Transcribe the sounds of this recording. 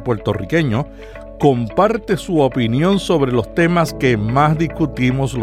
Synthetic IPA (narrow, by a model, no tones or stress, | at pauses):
pwe̞ɾt̪o̞rike̞ɲo̞ | ko̞mpaɾt̪e̞suopinjõ̞nso̞βɾe̞lo̞st̪e̞maske̞masd̪iskut̪imosl